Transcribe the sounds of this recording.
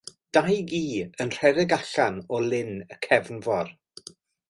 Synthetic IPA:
d̥ajɡiːənr̥ɛɾɛɡaɬanɔlˠɪnəkʰɛvnvɔr

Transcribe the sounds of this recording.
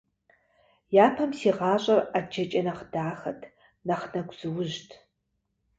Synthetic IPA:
jaːpʰɐmsiːʁɑːɕʼɐrad͡ʒɐt͡ʃʼɐnɐχd̥aːxɐtʰ | nɐχnɐɡʷʼz̥ɨwʊʒtʰ

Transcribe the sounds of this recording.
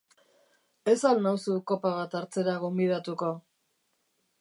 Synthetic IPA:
e̞salnawsuko̞paβ̞at̪aɾt͡se̞ɾaɣo̞mbið̞at̪uko̞

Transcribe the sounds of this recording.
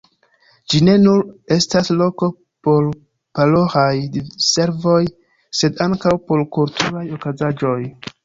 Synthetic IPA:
d͡ʒine̞nuɾe̞staslo̞ko̞ | po̞ɾ | palo̞hajdise̞ɾvo̞j | se̞daŋkawpo̞ɾkultʰuɾajo̞kazad͡ʒo̞j

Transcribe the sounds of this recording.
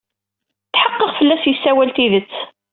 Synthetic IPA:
θħɑqːəʁfəlːæsjəsːæwælt̪iðət͡sː

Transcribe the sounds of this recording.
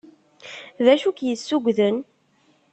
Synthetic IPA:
ðæʃukjəsːuɡʷðən

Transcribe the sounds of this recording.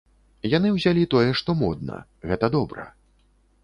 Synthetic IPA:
janɨwzʲalʲit̪ɔjɛʂt̪ɔmɔd̪̚nɐ̰ | ɣɛt̪ɐd̪ɔbɾɐ̰

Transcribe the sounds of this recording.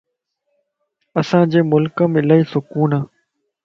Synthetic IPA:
əsãːd͡ʑeːmʊlkəmɪlaːiːsʊkuːnaː

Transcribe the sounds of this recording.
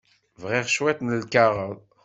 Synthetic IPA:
vʁɛʁʃwɛt̪nəlkaʁəð

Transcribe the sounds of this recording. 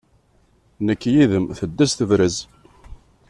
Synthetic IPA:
nəkːjiðəmθəd̪ːæsθəvɾəz

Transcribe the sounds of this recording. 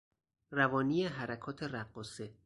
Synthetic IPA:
rævɒːniːjeɦæɾækʰɒːt̪ʰeɾæɢːose

